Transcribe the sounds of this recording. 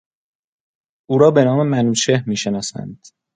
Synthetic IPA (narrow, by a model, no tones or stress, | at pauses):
ʔuːɾɒːbe̞nɒːme̞mænuːt͡ʃʰe̞hmiːʃe̞nɒːsæ̰nd̪̥